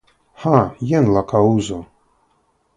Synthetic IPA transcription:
ħajɛnlakʰauzo

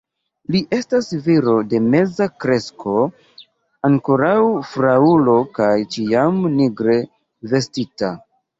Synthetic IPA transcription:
liʔe̞stasviɾo̞de̞me̞zakɾe̞sko̞ | aŋkoɾawfɾaulo̞kajt͡ʃiamniɡɾe̞ | ve̞stita

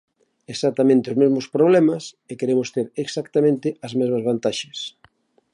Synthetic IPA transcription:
esat̪amẽnt̪eozmezmʊspɾoβlɛmɐs | ekeɾemʊst̪eɾeksakt̪amẽnt̪ɪɐzmezmɐzβant̪aʃɐs

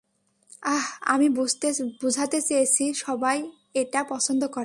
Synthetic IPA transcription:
aɦa̰mibut̪ebud͡ʑʱat̪et͡ɕejet͡ɕʰiʃɔbaj | eʈapɔt͡ɕʰond̪okoɾe

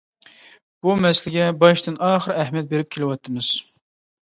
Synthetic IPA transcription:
b̥umɛsɪlɪɡʲɛbɑʃt̪ɨnɑːχəɾɛhmijɛt̪̚beɾɪp̚kʲʰelɪwɑt̪ʰːɨmɨz̥

